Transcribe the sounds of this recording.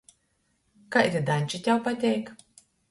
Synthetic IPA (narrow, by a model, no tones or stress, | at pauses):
kaʔiɾʲd̪anʲt͡ʃit̪ʲjawpat̪ʲɛjk